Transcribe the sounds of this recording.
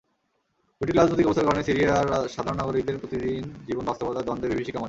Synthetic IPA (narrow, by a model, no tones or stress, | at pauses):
uʈikɾad͡ʑnot̪ikɔbost̪aɾkaɾonesiɾiaɾʃad̪ʱaɾonaɡoɾik̚d̪eɾpɾot̪id̪ind͡ʑibonbast̪opad̪ad̪ɔnd̪eɾbibeʃikɔma